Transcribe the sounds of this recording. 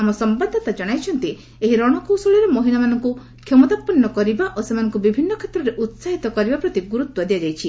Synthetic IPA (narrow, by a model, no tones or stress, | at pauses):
amɔsɔmbad̪ʱːɔt̪ad͡ʒɔɽ̃ajt͡ʃʰɔnt̪i | eɦiɾɔɽ̃ɔkusoɭiɾemɔɦiɭamanɔŋku | kʰjɔmɔt̪apːɔnːɔkɔɾibaʔosemanɔŋkubibʱinːɔkʰet̪ɾɔɾeʔut̪saɦit̪ɔkɔɾibapɾɔt̪iɡuɾut̪wɔd̪iad͡ʒajt͡ʃʰi